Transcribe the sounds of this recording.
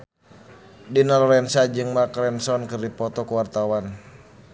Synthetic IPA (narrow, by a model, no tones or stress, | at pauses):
dinalɔɾɛnsad͡ʒɨŋmakɾɛnsɔnkɨrdipɔt̪ɔkuwart̪awan